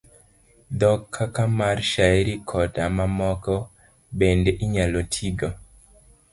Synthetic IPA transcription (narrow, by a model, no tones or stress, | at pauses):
d̪ɔkʰːakamarʃaɛɾikʰɔtamamɔkɔ | bendɛʔiɲalɔtʰiɡɔ